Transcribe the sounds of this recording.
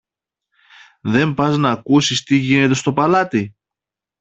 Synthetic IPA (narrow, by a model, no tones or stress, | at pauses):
ðe̞mpɐznɐːkusist̪iʝine̞t̪e̞st̪o̞pɐlɐt̪i